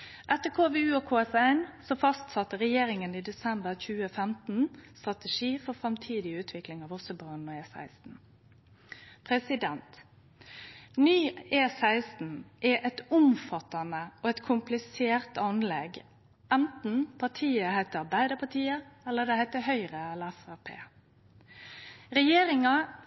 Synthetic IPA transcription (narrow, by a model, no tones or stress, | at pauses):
ʔæt̪ːəkʰoːʋeʉːɔkʰoːɛsæɪnsɔfɑst̪sɑt̪ːəɾɛjeːɾɪŋəniːd̪ɛsɛmbəʁçʉːəfɛmt̪n̩st̪ʁɑt̪əʃiːfɔʁfɾɑmt̪ʰiːd̪ɪʉːt̪ʰʋɪklɪŋɑːʋɔsɔbɑːnnɔeːsæ̰ɪst̪n̩ | pʰʁɛsɪd̪ɛnt̪ | nyːeːsæɪst̪n̩ʔɛʔɛt̪ʊmfɑt̪ɑnəoɛt̪kʰʊmplɪseːʁt̪ɑnlɛɡ | ænt̪n̩pʰɑt̪ʰiːəhæɪt̪əɑbæɪd̪əpʰɑt̪iːəɛlːəd̪ɛhæɪt̪əhœʏʁəɛlːəæfɑpʰḛː | ʁɛjeːɾɪŋɑ